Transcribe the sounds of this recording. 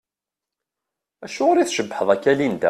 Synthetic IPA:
æʃʊɾiθʃəbːħəðˤækːælind̪æ̰

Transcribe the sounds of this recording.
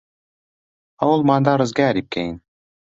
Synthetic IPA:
ɑulˠmɑnd̪ɑɾɤ̆zɡʲæɾʲip̚kʲʰæjin

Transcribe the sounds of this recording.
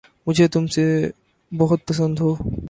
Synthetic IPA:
mud͡ʑʰʱet̪umse | bɔɦut̪̚pɔsond̪ʱo

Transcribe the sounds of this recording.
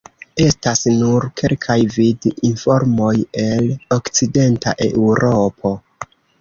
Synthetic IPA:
e̞stasnuɾkʰe̞lkʰajvidinfo̞ɾmo̞je̞lokt͡side̞nta̰ʔe̞̰uɾo̞pʰo̞

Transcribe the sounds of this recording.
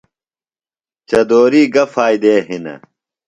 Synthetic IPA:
t͡ɕɐd̪oːɾiːɡɐfaːjd̪eːɦinɐ̰

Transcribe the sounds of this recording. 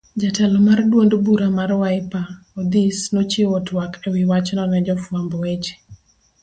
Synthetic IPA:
d͡ʒatɛlɔmardwondbuɾamarwaɪpa | od̪isnot͡ʃeotwakʰɛwɪwat͡ʃnɔnɛd͡ʒɔfwambwet͡ʃe̥

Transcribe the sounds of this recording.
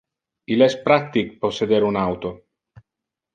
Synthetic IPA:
ilɛspɾat̪ikpɔsːed̪eːɾunawt̪o

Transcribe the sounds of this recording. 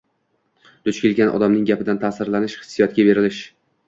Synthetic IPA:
d̪̥ʊt͡ʃkʲɪlɡʲanʔɒ̰d̪amnɪŋɡʲapɪd̪ant̪ʰasɪɾlanɪʃχɨ̥sːijɒt̪̚kʲabe̞ɾɪlɪʃ

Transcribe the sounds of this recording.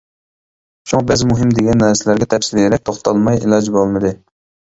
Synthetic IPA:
t͡ʃʰoŋbæzɪmuɦɪmd̪eɡʲɛnːɛɾsɪlæɾɡʲɛt̪ʰɛfsɪlijeɾɛk̚ʲt̪ʰoχt̪ʰɑlˠmɑjilˠɑd͡ʒbolˠmɨd̪ɨ

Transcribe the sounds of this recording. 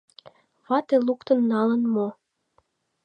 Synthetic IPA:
βɑt̪elukt̪ə̆nːɑlənmo

